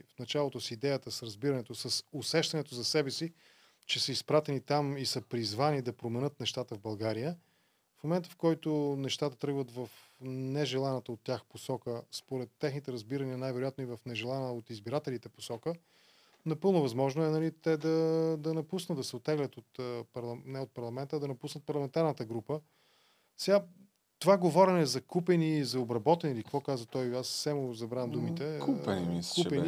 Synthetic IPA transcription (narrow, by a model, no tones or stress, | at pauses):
fnɐt͡ʃalˠot̪ʊsid̪ɛjət̪əsɾɐzbiɾɐnɛt̪oʊsəsosɛʃt̪ɐnɛt̪ozɐsɛbɛsi | t͡ʃɛsəispɾat̪ɛnit̪amisəpɾizvanid̪ɐpɾomɛnɤt̪nɛʃt̪at̪əvbɐlˠɡaɾijə | fmomɛnt̪əfkɔjt̪onɛʃt̪at̪ət̪ɾɤɡvət̪vɐfnɛʒɛlˠanət̪əot̪ːʲjaxposɔkəspoɾɛt̪ːɛxnit̪ɛɾɐzbiɾɐniənajvɛɾoʊjat̪noivɐfnɛʒɛlˠanəot̪izbiɾat̪ɛlʲit̪ɛpo̥sɔkə | nɐpɤlˠnʊvɐzmɔʒnʊɛnɐlit̪ɛd̪ɐd̪ɐnɐpusnət̪d̪ɐsɛot̪ːɛɡlʲət̪ot̪ːpɐɾlˠɐnɛot̪̚pɐɾlˠɐmɛnt̪əd̪ɐnɐpusnət̪̚pɐɾlˠɐmɛnt̪aɾnət̪əɡɾupə | sɛɡa | t̪ovaɡovɔɾɛnɛzɐkupɛnizɐobɾɐbɔt̪ɛnilikəkvɔkazvət̪ɔjassɛmʊzɐbɾamd̪umit̪ɛkupkupɛni